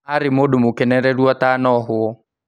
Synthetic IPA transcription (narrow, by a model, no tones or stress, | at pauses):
aɾɪmʊdʊmʊkɛnɛɾɛɾuwatanɔɦʊɔ